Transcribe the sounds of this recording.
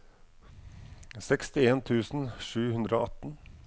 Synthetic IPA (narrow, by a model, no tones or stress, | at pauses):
sɛkst̪ɪeːnt̪ʰʉːsn̩ʂʉːhʉnd̪ɾəoːʔɑt̪n̩